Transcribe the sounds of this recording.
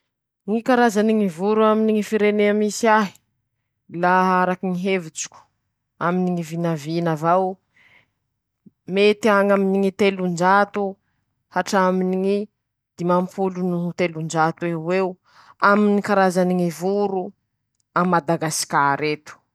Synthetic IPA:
ŋikaɾazaniŋivuɾuaminiŋifiɾeneamisiaɦi̥ | laaɾakiŋiɦevit͡ʃi̥kʲu̥ | aminiŋivinavinavaw | met̪iaŋaminiŋit̪elund͡ʒat̪u | haʈ͡ʂaminiŋi | d̪̥imampʰulunuut̪elund͡ʒat̪uewew | aminikaɾazaniŋivuɾu | amad̪aɡaskʲaɾet̪u̥

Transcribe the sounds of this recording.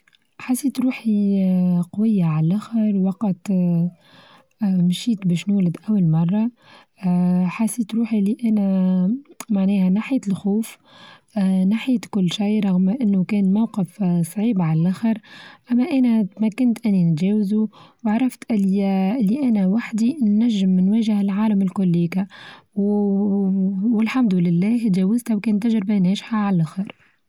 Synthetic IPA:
ħasiːt̪ɾuːħi | qwɪjːaʕallʔæxəɾˤwɑqɑt̪ | mʃiːt̪bɛːʃnuːlɪd̪ʔæwːalmɑrˤːɑ | ħasiːt̪ɾuːħiliʔænæ | maʕnɛːhænaħjːt̪əlxuːf | naħit̪kʊlːʃijɾˤɑɣmʔɪnːukɛːnmawqɪfsˤʕiːbʕallʔæxəɾˤʔæmːæʔæːnæt̪mækːɪnt̪ʔɪnːint̪ʒɛːwɪzuwɑʕɾˤɑft̪ʔɪllːiʔænæwaħd̪inːæʒːɪmnwæːʒɪhɪlʕaːləmɪlkʊlːiːkæw | wɪlħamd̪ʊlɪlːæːht̪ʒɛːwɪzt̪æwkɛːnt̪ːaʒɾbanɛːʃħaʕallʔaxəɾˤ

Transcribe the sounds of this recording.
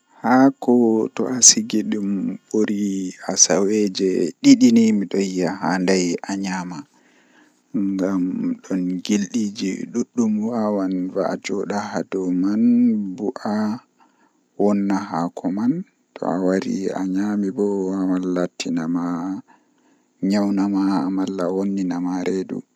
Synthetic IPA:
hakɔtɔ̰ʔasiɡiɗumɓoɾiasawed͡ʒɛɗiɗinimiɗɔjːaɦandajʔaɲama | ŋɡamɗɔnɡilɗid͡ʒiɗuɗːumwawanva̰ʔad͡ʒɔɗahadɔmanbuʔa | wɔnːaɦakʰɔman | tʰɔ̰a̰waɾḭa̰ɲamibɔawalːatʰːinama | ɲawnamaːmalːawonːinamaɾʔedṵ

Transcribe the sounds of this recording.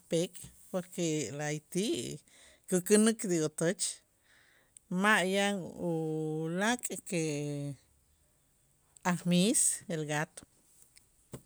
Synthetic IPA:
pekʼ | poɾkelaajt̪iʔ | kukɨnɨkd̪iot̪ot͡ʃ | maʔjaŋulakʼke | ahmiselɡat̪o̥

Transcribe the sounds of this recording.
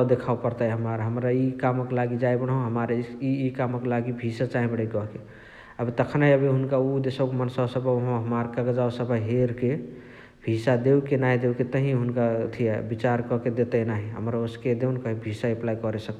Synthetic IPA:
d̪ekʰaupəɾt̪ajɦəmaɾɦəmɾaikamkelaɡid͡ʒajbəɽ̃ɦõɦəmaɾiikamkelaɡibʱisat͡ʃaɦĩbɽekɔɦke | əbʱit̪əkʰnaɦiəbiɦunkaud̪esɔkemənsəsəbɦɦəmaɾkəɡəd͡ʒawsəbʱəɦeɾke | bʱisad̪eukenaɦid̪euket̪əɦĩɦunkat̪ʰijɛbit͡ʃaɾkɔked̪et̪ənaɦĩɦə̰mɾaosked̪eunkəɦĩbʱisaiplajkɔɾesək̚t̪

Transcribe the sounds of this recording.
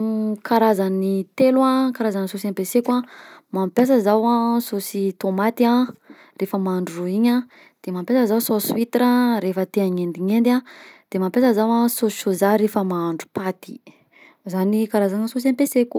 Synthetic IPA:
kaɾazanit̪elwakaɾazanisosampesekamampjas̬əzawasosit̪omat̪ia | refəmaaɳɖ͡ʐuuiɲa | d̪̥emampʲjasəzawsosuit̪ɾaɾefət̪eaɲend̪iɲend̪ad̪̥emampjasəzawasoozaɾefəmaaɳɖ͡ʐu̥pat̪i̥ | zanikaɾazanəsos̬ampeseku̥

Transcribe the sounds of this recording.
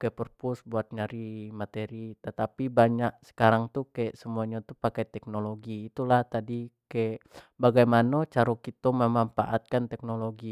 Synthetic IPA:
kapərpʊsbuat̪̚ɲaɾimat̪eɾit̪ət̪apibaɲaʔsə̥kaɾaŋt̪ukajaʔsəmuaɲat̪upakajt̪ɛk̚noloɡiːt̪ulaht̪adikajaʔbaɡajmanat͡ʃaɾokit̪oməmamfa̰ʔat̪̚kant̪ɛk̚noloɡi

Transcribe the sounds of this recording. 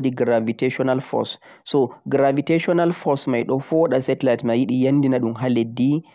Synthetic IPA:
diɡɾaviteʃɔnalfɔ̰sː | ɔɡɾaviteʃɔnalfɔsmajɗɔfɔɗasɛtlajtmajiɗijanːdinaɗumɦaledːi

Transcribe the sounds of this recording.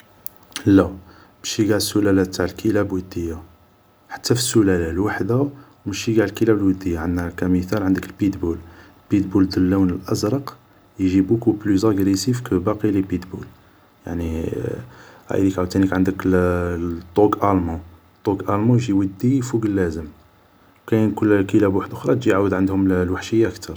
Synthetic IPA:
lːæ | bʃiɡaʕəsːulælæt̪ːaʕəlkʰəlæbwəd̪ːəjːa | ħḁt̪ːæfisːulælælwaħd̪awmæʃiɡaʕlkəlæblwəd̪ːəjːaʕənːækæməθælʕənd̪əkəlbit̪bul | bit̪buld̪əlːuwnəlʔæ̰zɾˤəq | jʒibukubluzæɡɾisifkəbɑqilibit̪bul | ja̰ʕni | hæ̰d̪ikʕd̪̚t̪ːænikʕənd̪ək | t̪ˤːoɡʔælmu | t̪ˤːoɡʔælmujʒiwəd̪ːifuɡəlːæzəm | wkæjnkʊlːkəlæbwaħd̪ʔʊxɾˤɑt̪ʒiʕawəd̪ʕənd̪hʊmlwaħʃəjːaʔəkt̪ʰɑɾˤ

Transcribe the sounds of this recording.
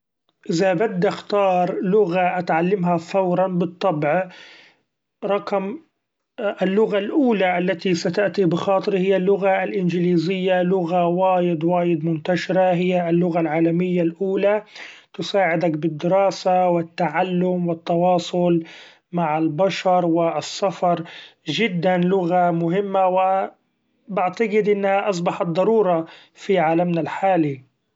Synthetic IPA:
ʔɪðabad̪ːxt̪ɑːɾˤlʊɣaʔat̪ʕalːɪmɦafɑwɾˤɑnbɨt̪ˤːɑbʕ | ɾˤɑqm | ʔɪlːʊɣalʔuːlaʔalːat̪isat̪aʔt̪ibɪxɑːt̪ˤɨɾhɪjːalːʊɣalʔɪnd͡ʒɪliːzɪjːalʊɣawaːjɪd̪waːjɪd̪mʊnt̪aʃɪɾaɦɪjːalːʊɣalʕaːlamɪjːalʔuːlat̪ʊsaːʕɪd̪akbɪd̪ːɪɾɑːsawɪt̪ːaʕalːʊmwɪt̪ːɑwɑːsˤʊl | maʕɪlbaʃɑɾˤwɪsːafɑɾˤʒɪd̪ːanlʊɣamʊɦɪmːawɪ | bɪʕt̪aɡɪd̪ʔɪnːhaʔɑs̬ˤbɑħɑt̪̚ˤd̪ˤːɑɾuːɾˤɑ | fiʕaːlamnalħaːli

